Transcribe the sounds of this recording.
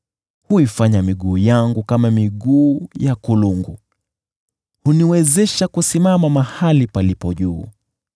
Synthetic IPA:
huifaɲamiɠuːjaŋɡukamamiɠuːjakuluŋɡu | huniwɛzɛʃakusimamamahalipalipɔʄuː

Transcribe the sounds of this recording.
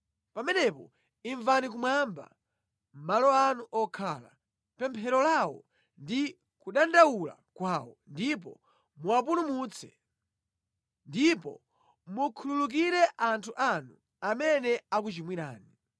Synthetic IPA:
pamɛnɛpɔ | iɱvanik̬umwamba̰ | m̩malɔanuʔɔkʰaːla̰ | pɛmpʰɛɾɔlawɔ̰ | ndi | kuɗandawula̰kwaːwɔndip̬ɔ̰ | muapunumuːt͡sʰɛ̥̰ | ndipɔ̰ | mukʰululuk̬iɾɛʔantʰuʔanu | amɛnɛak̬ut͡ʃimwiɾa̰ːni

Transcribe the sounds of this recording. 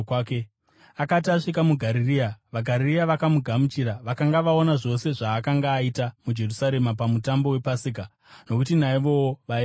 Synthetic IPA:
ke | akat̬iaʂikamuɡʱaɾiriːaʋaɡʱaɾiriaʋakamuɡʱamut͡ʃiɾaʋakaŋɡaʋao̞naʐo̞se̞ʐaːkaŋɡaːitamud͡ʒe̞rusaɾe̞mapamutambo̞we̞pasik̬a | no̞kutinaiʋo̞woʋae

